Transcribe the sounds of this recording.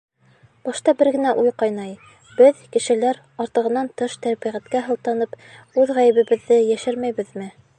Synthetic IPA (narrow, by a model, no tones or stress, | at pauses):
b̥ɑʃt̪ɑbɘɾɡɘ̆næʔujqɑjnɑj | bɘðkɘ̆ʃɘ̆læɾ | ɑɾt̪ɤ̆ʁɤ̆nːɑnt̪ɤʃt̪æɾbiʁæt̪kæɦɤ̆lˠt̪ɑnɤp | ʉðʁæjɘ̆βɘ̆βɘ̆ðːɘjæʃɘɾmæjβɘ̆ðmɘ